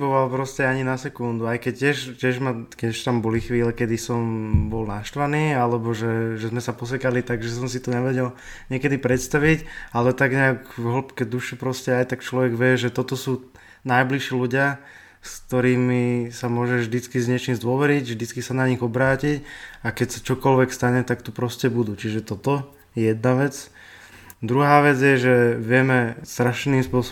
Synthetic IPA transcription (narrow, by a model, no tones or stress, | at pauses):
bɔʋalpɾɔscɛaɲinasɛkund̪uajkɛc̚cːɪɛʃcɪɛʒmakɛɛʃt̪ambɔlixʋiːlɛkɛd̪isɔmbɔlnaʃt̪ʋaniːalɛbɔʒɛʒɛzmɛsapɔs̬ɛkalit̪aɡʒɛs̬ɔmsit̪ɔɲɛʋɛɟɛl | ɲɪɛkɛd̪ipɾɛt̪st̪aʋicalɛt̪aɡɲɛakɦɔlpkɛd̪uʃɛpɾɔscɛajt̪akt͡ʃlɔʋɛɡʋɪɛʒɛt̪ɔt̪ɔsuː | najbliʃiːluɟɪa | skkt̪ɔɾiːmisamʊɔʒɛvʒd̪it͡skizɲɛt͡ʃiːmzd̪ʊɔʋɛɾiɟvʒd̪it͡skisanaɲiɣɔbɾaːcicakɛcsat͡ʃɔkɔlʋɛkst̪aɲɛt̪akt̪upɾɔscɛbud̪ut͡ʃiʒɛt̪ɔt̪ɔ | jɛjɛd̪̚naʋɛt͡s | d̪ɾuɦaːʋɛd͡zɪjɛʒɛʋɪɛmɛst̪ɾaʃniːmspʊɔsɔ